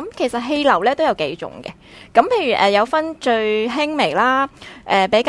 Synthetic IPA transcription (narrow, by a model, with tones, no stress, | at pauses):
ɐ˨˥mkʰe˨˩jsɐ˨t̚ɦe˧jlɐ˨˩wlɛː˥t̪o˥wjɐ˨˧wke˨˧jt͡sʊ̰˨˩ŋɡɛ̰˧ | kɐ˨˥mpʰe˧jɥyː˨˩ʔɛː˨˩jɐ˨˧wfɐ˥nt͡ʃɵ˧ɥɦɪ˥ŋme˨˩jlaː˥ʔɛː˨pe˨˥jka